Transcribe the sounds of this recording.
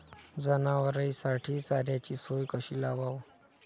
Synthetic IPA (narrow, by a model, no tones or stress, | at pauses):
d͡zənaʋəɾəjsaʈʰiːt͡saɾjat͡ɕiːsojkəɕiːlabaʋ